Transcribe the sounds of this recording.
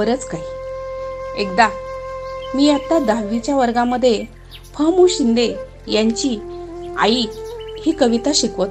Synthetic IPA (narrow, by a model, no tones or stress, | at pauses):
əɾət͡skai | ek̚d̪a | miːat̪ːad̪aʋit͡ɕjaʋəɾɡaməd̪ʱːje | pʰəmuɕind̪e | jãɲt͡ɕiːa̰ihiːkəʋit̪aɕikʋət̪